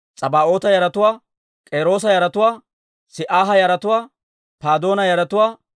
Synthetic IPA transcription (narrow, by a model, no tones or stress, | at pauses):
t͡sʼɐbaːʔo̞ːt̪ɐjɐɾɐt̪ʊwaː | kʼeːɾo̞ːs̬ɐjɐɾɐt̪ʊwaː | sɪʔaːɦɐjɐɾɐt̪ʊwaː | paːd̪o̞ːnɐjɐɾɐt̪ʊwaː